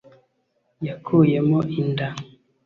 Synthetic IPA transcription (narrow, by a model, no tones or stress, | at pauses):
jakʰujemɔʔinda